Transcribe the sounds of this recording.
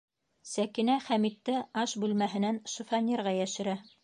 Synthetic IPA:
sækinæχæmit̪ːɘɑʃbʉlmæɦɘ̆nænʃɤ̆fɑnʲirʁɑjæʃɘ̆ɾæ

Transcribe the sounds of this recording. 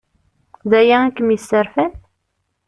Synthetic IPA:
ðæjæækːəmjəsːəɾfæn

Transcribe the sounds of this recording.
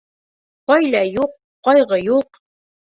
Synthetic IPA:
qɑjlæjuqːɑjʁɤjuq

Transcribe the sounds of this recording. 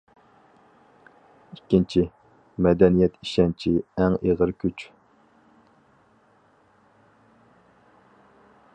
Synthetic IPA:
ikʲːint͡ʃʰi | mɛd̪ɛnijɛt̪iʃɛnt͡ʃʰiɛŋeʁəɾkʲʰyt͡ʃ

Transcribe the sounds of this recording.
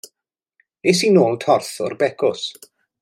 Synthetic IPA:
es̬iːnoːlˠtʰɔrθɔ̰rbɛkʰɔs

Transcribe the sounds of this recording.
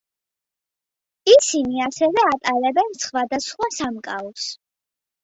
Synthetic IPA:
isiniasɛvɛat̪ʼalɛbɛnsχwad̪asχwasamkʼaɔs

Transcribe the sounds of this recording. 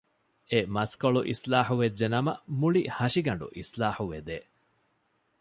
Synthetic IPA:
emɐskoɭuʔḭslaːħuʋed͡ʒːenɐmɐ̰muɭihɐʃiɡɐɳɖṵʔislaːħuʋed̪eː

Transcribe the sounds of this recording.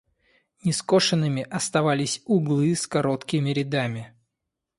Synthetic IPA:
nʲɪsko̞ʂɨnːɨmʲɪʔɐst̪ɐvalʲɪsʲʊɡlˠɨskɐɾo̞t̪kʲɪmʲɪɾʲɪd̪amʲɪ

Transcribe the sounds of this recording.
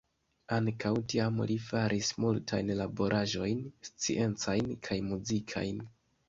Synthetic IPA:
aŋkawtiamlifaɾʔismultʰajnlabo̞ɾʔaʒo̞jnst͡sḭʔe̞nt͡sajnkʰajmuzikʰa̰jn

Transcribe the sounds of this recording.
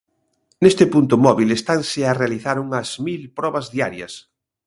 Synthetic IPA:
nest̪epunt̪ʊmɔβilest̪ansearealiθaɾuŋɐzmilpɾɔβɐzðiaɾjɐ̰s

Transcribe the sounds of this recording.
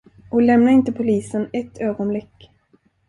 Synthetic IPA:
ʔɔklɛmnaɪnt̪əpʰʊliːsənɛt̪ʰːøːɡɔnblɪkː

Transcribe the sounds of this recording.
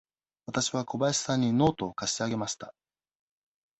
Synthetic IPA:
βat̪aɕiβ̞ako̞baiɕi̥sãɲ̟ːino̞ːt̪o̞ːkaɕi̥t̪eaɡe̞maɕi̥t̪a

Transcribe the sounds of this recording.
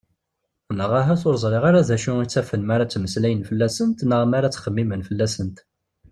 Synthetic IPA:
nəʁaɦæθoɾzˤɾˤɪʁaɾæðæʃuit͡sːæfənmaɾat͡sːməslæjənfəlːæsənt̪nəʁmaɾat͡sːχəmːimənfəlːæsənt̪

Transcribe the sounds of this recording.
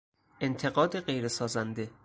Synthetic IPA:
ʔent̪ʰe̞ɣɒːd̪e̞ɢe̞jɾe̞sɒːzænd̪e̞

